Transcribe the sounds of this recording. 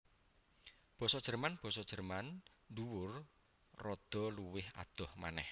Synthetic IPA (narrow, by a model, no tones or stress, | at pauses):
b̥ɔ̤sɔ̥ʒ̥ə̤rmanb̥ɔ̤sɔd̥ʒ̥ə̤rman | duwʊr | rɔd̪̥ɔ̤luwɪha̰d̪̥ɔ̤hma̰nɛ̰h